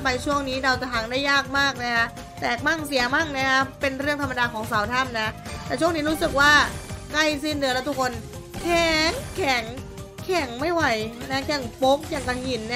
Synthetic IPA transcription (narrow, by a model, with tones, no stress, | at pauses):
pa˧jt͡ɕʰu˥˩əŋniː˦˥ɾa˧wt͡ɕa˨˩ɦaː˩˦ŋdaː˥˩jːaː˥˩k̚maː˥˩k̚na˦˥kʰa˦˥ | t̪ɛː˨˩k̚maː˥˩ŋsi˨˩˦ɐmaː˥˩ŋna˦˥˩kʰa˦˥pe˧nɾɯ˥˩əŋt̪ʰa˧mːa˧daː˧kʰɔː˩˦ŋsaː˩˦wt̪ʰa˥˩mna˦˥ʔt̪ɛː˨˩t͡ɕʰu˥˩əŋniː˦˥ɾuː˦˥sɯ˨˩k̚waː˥˩kla˥˩js̬i˥˩nːɯ˨˩˦lɛ˦˥t̪ʰu˦˥kʰːo˧n | kʰɛː˨˩˦ŋkʰɛː˨˩˦ŋ | kʰɛ˨˩˦ŋma˥˩jwa˨˩jna˦˥kʰɛ˨˩˦ŋpo˦˥k̚jaː˨˩ŋka˧nhi˨˩nː˦˥